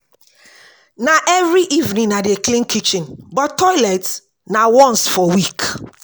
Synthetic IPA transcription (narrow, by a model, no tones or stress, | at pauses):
nãʔɛvɹiʔivnĩnadeklĩnkʰit͡ʃĩnbɔtːɔjlat | nawɔ̃nsfɔwik